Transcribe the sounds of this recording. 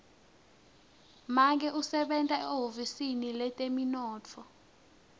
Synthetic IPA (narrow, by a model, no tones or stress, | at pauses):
mak̬ɛʔusɛɓɛntʼaɛɦofisinilɛtʼeminɔːt͡fʰɔ